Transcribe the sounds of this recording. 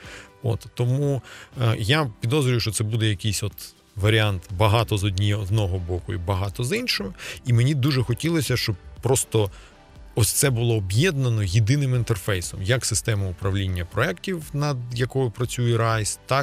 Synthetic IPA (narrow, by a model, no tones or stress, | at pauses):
o̰t̪ːɔmu | japʲid̪ɔzɾʲʊjʊʃt͡ʃɔt̪sɛbud̪ɛjɐkʲijsʲɔt̪ | ʋɐɾʲɪant̪bɐɦɑt̪ɔzɔdʲnʲiɔznɔɦɔbɔkʊḭbɐɦɑt̪ɔzinʲʃɔɦʊimenʲid̪uʒɛxɔtʲilˠɔsʲɐʃt͡ʃɔb̚pːɾɔst̪ɔ | ɔsʲt̪sɛbʊlˠɔːbjɛd̪nɐnɔjɪd̪ɪnɪmɪnt̪erfɛjsɔmjɐksɪst̪ɛmɐʊpɾɐʋlʲinʲːɐpɾɔɛktʲiwnɐd̪jɐkɔjʊpɾɐt͡sʲujɛɾɑjst̪ɑk